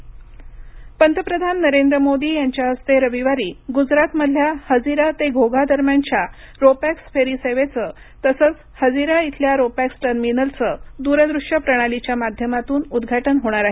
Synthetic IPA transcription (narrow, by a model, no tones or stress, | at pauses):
pənt̪əpɾəd̪ʱanːəɾend̪ɾəmod̪iːjaɲt͡ɕjaəst̪eɾəʋiʋaɾiːɡud͡zɾat̪məd̪ʱjahəd͡ziɾat̪eɡʱoɡad̪əɾmjaɲt͡ɕja | ɾopæksfʰeɾiseʋet͡səː | t̪əsət͡s | həd͡ziɾait̪ʰljaɾopæksʈəɾminəlt͡səːd̪uɾəd̪ɾuʂjəpɾəɽ̃alit͡ɕjamad̪ʱjəmat̪uːnud̪ɡʱaʈənɦoɽ̃aɾaɦe